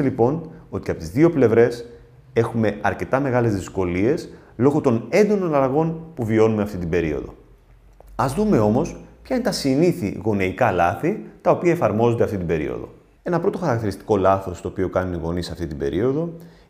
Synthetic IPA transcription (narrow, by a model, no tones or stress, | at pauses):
elipo̞no̞t̪iɐpo̞t̪izðio̞ple̞vɾe̞s | e̞xume̞ɐɾce̞t̪ɐme̞ɣɐle̞zðisko̞lie̞s | lo̞ɣo̞t̪o̞ne̞nd̪o̞no̞nɐlɐɣo̞npuvio̞nume̞ɐft̪it̪̬ibe̞ɾio̞̰ðo̞̰ | ɐzðume̞o̞mo̞spçɐinet̪ɐsiniθḭɣo̞neikɐlɐθit̪ɐo̞piɐefɐɾmo̞zond̪eɐft̪it̪ibe̞ɾḭo̞̰ðo̞̰ | e̞nɐpɾo̞t̪o̞xɐɾɐkt̪iɾist̪i̥ko̞lɐθo̞st̪o̞ːpio̞kɐnuniɣo̞nisɐft̪it̪ibe̞̰ɾʔio̞ðo̞